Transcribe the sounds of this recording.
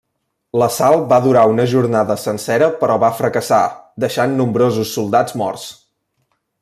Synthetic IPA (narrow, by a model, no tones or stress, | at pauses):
ləsalˠbaðuɾaunəʒuɾnaðəsənsɛɾəpəɾʔɔβafɾəkəsad̪əʃanːumbɾozusːulˠd̪ad͡zmɔ̰rs